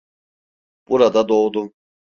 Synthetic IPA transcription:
b̥uɾad̪ad̪oːd̪u

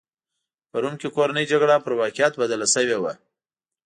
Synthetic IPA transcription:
paɾunkekoɾanəjd͡ʒaɡɽapəɾwɑqɪjat̪bad̪alasəwewa

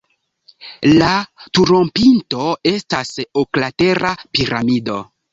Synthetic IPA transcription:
latuɾo̞mpinto̞e̞stasoklate̞ɾapiɾa̰mido̞

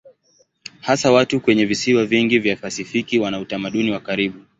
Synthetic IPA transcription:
hasawatukwɛɲɛvisiwaviŋɡivjafasifikiwanautamaɗuniwakaɾiɓu

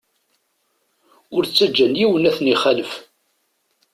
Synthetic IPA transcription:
ʊɾt͡sːæd͡ʒːænjiwənæθəniχæləf

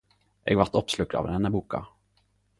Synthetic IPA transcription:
ʔɛ̰ɡvat̪ːɔpslɵk̪̚a̰vɾhɛnːəbuːka̰

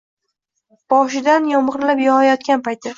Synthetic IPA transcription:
b̥ɒʃɪd̪anjɒmʁɨɾlapjɒhɑjɒt̪̚kʲanpajt̪ʰɪ

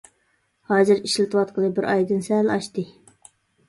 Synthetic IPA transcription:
hɑːzɨɾiʃlɪt̪ʰɨwɑt̪̚qʰəlˠɨbɪɾʔɑjd̪ɨnsɛlɑʃt̪ɨ

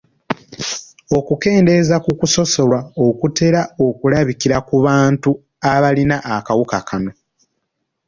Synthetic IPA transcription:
o̞kuke̞ːnde̞zakukuso̞so̞lwaokute̞ɾao̞kulaβikiɾakuβaːntu | aβalinaʔːkawukakʰano̞

